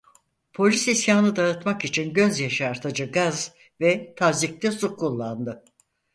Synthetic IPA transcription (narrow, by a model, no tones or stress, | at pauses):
pʰo̞lʲisisjaːnɯd̪aɯt̪makit͡ʃʰinɟø̞zjaʃaːɾt̪ʰad͡ʒɯɡaz | vɛt̪ʰazic̚t̪ʰɛsukʰːulˠːand̪ɯ